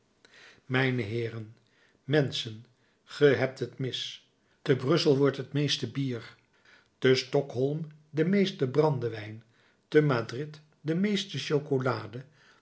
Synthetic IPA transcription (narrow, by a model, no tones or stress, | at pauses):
mɛjnəɦɪːrən | mɛnsən | χəɦɛp̚tɦətmɪs | təbrɵsəlˠʋɔɹtɦətmejstəbiːɹ | təstɔkɦɔlˠm | dəmejstəbrɑndəʋɛjn | təmaːdrɪt | dəmejstəʃowkolaːdə